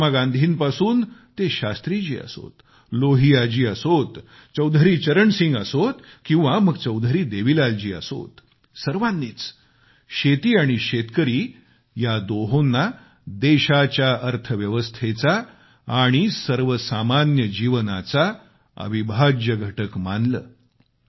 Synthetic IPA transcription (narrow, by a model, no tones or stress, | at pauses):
maɡãnd̪ʱiːnpasuːnt̪eɕast̪ɾid͡ʑiːə̰so̰t̪ | loɦiad͡ʑiːəsot̪ | t͡səwd̪ʱəɾiːt͡ɕəɾəɳsiŋɡəsot̪ | kĩw̃ʋaməɡt͡səwd̪ʱəɾiːd̪eʋilald͡ʑiːə̰so̰t̪ | səɾʋanːiːt͡s | ɕet̪iːaɽ̃iɕet̪kəɾiː | jad̪oɦonːa | d̪eɕat͡ɕjaʔəɾt̪ʰəʋjəʋəst̪ʰet͡sa | aːɽ̃isəɾʋəsamanjəd͡ʑiʋnat͡sa | ə̰ʋibʱad͡ʑjəɡʱəʈəkmanlə̰ː